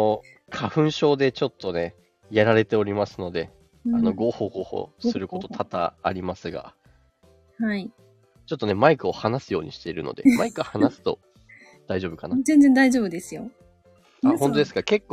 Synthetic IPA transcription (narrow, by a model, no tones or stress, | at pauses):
o | kʰaɸɯ̟̃ɰ̃ɕo̞ːd̪e̞t͡ɕo̞t̪ːo̞ne̞ | jaɾaɾe̞t̪e̞o̞ɾʲimasɨno̞d̪e̞ | ano̞ɡo̞ːho̞ːɡo̞ːho̞̰ːssɨɾɯ̟ko̞t̪o̞t̪ʰat̪a̰ːɾʲimasɨɡa̰ | hai | t͡ɕot̪ːo̞ne̞maikɯ̟o̞hanasɨjo̞ːɲ̟ḭɕi̥t̪e̞iɾɯ̟̰no̞̰d̪e̞maikɯhanasɨ̥t̪o̞ | d̪̥aiʑo̞ːbɯ̟kanazẽ̞nzend̪aiʑo̞ːbɯ̟d̪e̞sɨjo̞ | ahõnt̪od̪esɨ̥kake̞kːo